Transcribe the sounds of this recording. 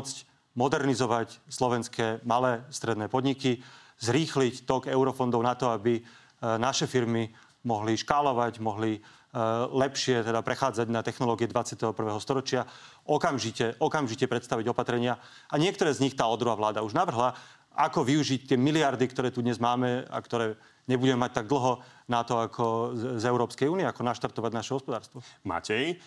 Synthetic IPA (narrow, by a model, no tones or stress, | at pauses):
ɔt͡sc | mɔd̪ɛɾnizɔʋacslɔʋɛnskɛːmalɛːst̪ɾɛd̪nɛːpɔd̪ɲiki | zɾiːxlict̪ɔɡɛʊɾɔfɔnd̪ɔʊnat̪ɔabi | naʃɛfiɾmi | mɔɦliʃkaːlɔʋaɟmɔɦli | lɛpʃɪɛt̪ɛd̪apɾɛxaːd͡zaɟnat̪ɛxnɔlɔːɡiɪɛd̪ʋat͡sɪat̪ɛɦɔpr̩ʋɛːɦɔst̪ɔɾɔt͡ʃɪa | ʔɔkamʒicɛʔɔkamʒicɛpɾɛt̪st̪aʋiɟɔpat̪ɾɛɲɪa | aɲɪɛk̚t̪ɔɾɛːzɲixt̪aːɔd̪ɾuɦaʋlaːd̪auʒnaʋr̩ɦla | akɔʋiuʒict̪ɪɛmiliaɾd̪ikt̪ɔɾɛːt̪ud̪ɲɛzmaːmɛa̰kt̪ɔɾɛː | ɲɛbuɟɛmɛmac̚t̪aɡ̚d̪l̩ɦɔnat̪ɔakʰɔzɛʊɾɔːpskɛjuːniɛakɔnaʃt̪aɾt̪ɔʋaɟnaʃɛɦɔspɔd̪aːɾst̪ʋɔma̰cɛj